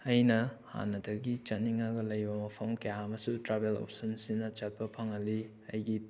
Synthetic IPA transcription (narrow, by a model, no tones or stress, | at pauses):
ɐjnɐha̰nɐdɐɡit͡ʃɐnːiŋɐɡɐlɐjbɐmɐpʰɐmkɐjaɐmɐsutɾabelo̰p̚sɐnsinɐt͡ʃɐt̚pɐpʰɐŋɐli | ɐjɡi